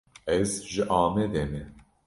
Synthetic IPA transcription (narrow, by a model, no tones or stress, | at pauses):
ɛzʒɨʔɑːmɛd̪ɛnɛ